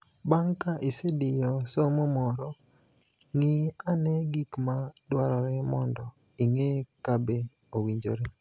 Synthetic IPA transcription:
baŋkaʔisedɪjɔsomɔmɔɾɔ | ŋianɛɡikmadwaɾɔɾɛmɔndɔ | iŋekabe | owiɲd͡ʒo̰ɾe

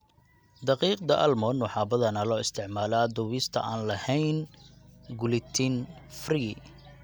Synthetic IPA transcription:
d̪ɐqiːq̚d̪ɐʔɐlmɔnwʊħɑːbɐðɐnɐlɔːɪst̪ʰɪʕmaːlaːd̪ʊβɪst̪ʰɐ̰ʔaːnlɐhɛjn | ɡʊlɪt̪ʰinfriː

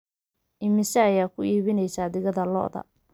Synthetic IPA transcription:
ʔɪmɪsɐːjaːkʰʊiːβɪnɛjsaːd̪ɪɣɐðɐlɔ̰ʔðɐ̰

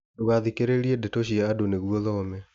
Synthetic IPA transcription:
doɣaðikeɾeɾiɛdɛtoɕiaadoneɣwɔðɔːmɛ

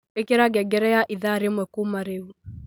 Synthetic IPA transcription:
ekeɾaɡɛɡɛɾɛjaʔiðaɾemwɛkumaɾeu

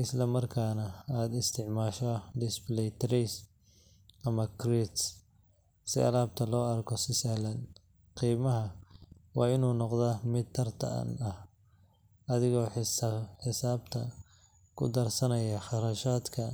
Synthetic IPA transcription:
ɪslɐmɐrkʰaːnɐaːd̪ɪst̪ʰɪʕmaːʃɔd̪ɪsplɛjt̪ʰɾɛs | ʔɐmɐkʰrit̪s | sɪ̰ɐ̰laːb̚t̪ʰɐlɔːɐrkʰɔsɪsaːlɐn | qiːmɐɦɐwɑːɪnuːnɔqd̪ɐmɪd̪̚t̪ʰːɐrt̪ʰɐ̰ʔɐ̰nɐh | ʔɐðɪɣɔːħħɪsaːb̚t̪ʰɐ | kʰʊ̰d̪ɐrsɐnɐjɐχɑrɐʃaːd̪kʰɐ

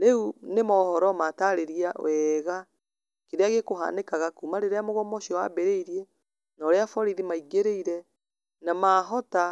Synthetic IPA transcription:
ɾeunemɔhɔɾɔmataɾeɾiawɛɣa | keɾeaɣekoɦa̰nekaɣakumaɾeɾeamoɣɔmɔɕiɔwa̰bɛɾeiɾiɛ | nɔɾeafɔɾiðimaiɡeɾeiɾɛ | namaːɦɔta

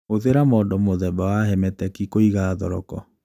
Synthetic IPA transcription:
oðeɾamɔːdɔmoðɛbawaɦɛmɛtɛkikoiɣaðɔɾɔkɔ

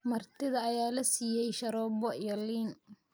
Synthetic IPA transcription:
mɐrt̪ʰɪðɐːjaːlɐsiːjɛjʃɐɾɔːbɔijɔliːn

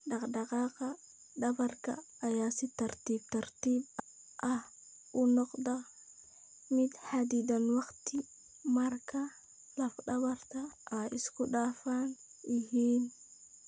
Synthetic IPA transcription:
ɗɑqdɐqɑːqɐ | ɗɐbɐrkɐ̰ːjaːsɪt̪ɐɾt̪iːb̚t̪ɐɾt̪iːb | ʔɐh | ʊnɔqd̪ɐ | mɪd̪ħad̪iːd̪ɐnwɑqt̪ɪ | mɐɾkɐ | lɐfɗɐβɐɾt̪ɐʔɐɪskʊɗaːfaːnɪhiːn

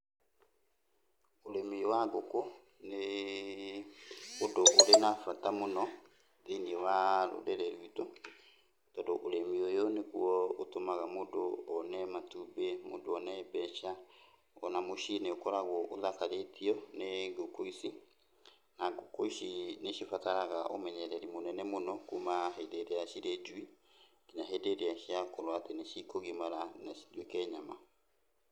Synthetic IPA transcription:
oɾemiwaɡoko | ne | odoʔoɾenafatamonɔ | ðeiniɛwaɾo̰ɾɛɾɛɾwitɔ | tɔdoʔoɾemiojoneɣwɔotomaɣamodoɔnɛmatubemo̰doɔnɛebɛʃa | ɔnamoʃineokɔɾaɣwɔʔoðakaɾetiɔneɡokoisi | naɡokoiʃineʃifataɾaɣaʔomɛɲɛɾɛɾimonɛnɛmonɔkumaɦedeɾeaʃiɾed͡ʒwi | kinaɦedeɾeaʃiakoɾwateneʃikoɣimaɾanaidwekɛɲama

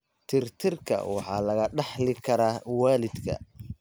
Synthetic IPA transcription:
t̪ʰɪrt̪ʰɪrkʰɐ̰wɑħɑːlɐɣɐɖɑħlɪkʰɐɾaːwaːlɪd̪kʰɐ̰

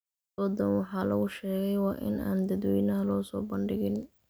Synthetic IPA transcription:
dɔːd̪ɐnwɑħɑːlɐ̰ɣʊʃɛːɣɛjwɑːʔɪ̰nʔa̰ːnd̪ɐd̪wɛjnɐɦɐlɔːsɔːbɐɳɖɪɣɪn

